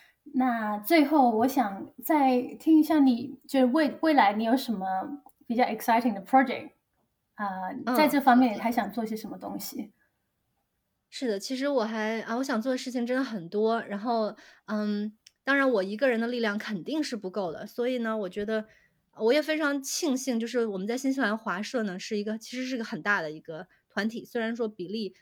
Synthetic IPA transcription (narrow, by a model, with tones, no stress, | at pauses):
na˥˧t͡swe˥˧ɪxo˥˩ʊwɔ˧˥ɕjɑ˨˩ŋt͡sa˥˧ɪt̪ʰi˥ŋi˧˥ɕja˥˩ni˨˩t͡ɕjo˥˧ʊʂɻ̩˥˧we˥˩ɪwe˥˩ɪla˧˥ɪni˧˥jo˧˥ʊʂə˧˥nmə˧pi˨˩t͡ɕjɑ˥˩ʊɛ˨˩ksa˥ɪtʰɪ˥˩ŋd̪ə˩pʰɹ̥ɔ˥d͡ʒɛ̰˨˩k̚t̚ | ə˥˧˩a˥˧ʈ͡ʂɤ˥˩fɑ˥ŋmjɛ˥˩njʰa˧˥ɪɕjɑ˨˩ŋt͡swɔ˥˧i˥˩ɕ̬jɛ˥ʂə˧˥mə˧t̪ʊ̰˥ŋɕi˨ | ʂɻ̩˥˩d̪ə˩t͡ɕʰi˧˥ʂ̬ɻ̩˧˥wɔ˨˩xa˧˥ɪə˧wɔ˧˥ɕjɑ˨˩ŋt͡swɔ˥˩d̪ə˩ʂɻ̩˥˩t͡ɕʰi˨˩ŋʈ͡ʂə˥nd̪ə˩xə˨˩nt̪wɔ˥ɻa˧˥nxo˥˩ʊə˥˧˩t̪ɑ˥ŋɻa˧˥nwɔ˨˩i˧˥ɡə˧ɻə˧˥nd̪ə˧li˥˧ljɑ˥˩ŋkʰə˨˩nt̪i˥˧ŋʂɻ̩˥˩pu˧˥ko˥˩ʊd̪ə̰˩swɔ˧˥i˨˩nə˩wɔ˨˩t͡ɕɥɛ˧˥d̪ə˧ | wɔ˧˥jɛ˨˩fe˥ɪʈ͡ʂʰɑ˧˥ŋt͡ɕʰi˥˧ŋɕi˥˧ŋt͡ɕjo˥˧ʊʂɻ̩˥˩wɔ˨˩mə˦nt͡sa˥˩ɪɕi˥nɕ̬ʰi˥la˧˥ɪxwa˧˥ʂɤ˥˩nə˩ʂɻ̩˥˩i˧˥ɡə˧t͡ɕʰi˧˥ʂɻ̩˧˥ʂɻ̩˥˩˧ɡə˧xə˨˩nt̪a˥˩d̪ə˩i˧˥ɡ̥ə˧ | t̪ʰwa˧˥nt̪ʰi˨˩swe˥ɪɻa˧˥nʂ̬wɔ˥pi˨˩li˥˩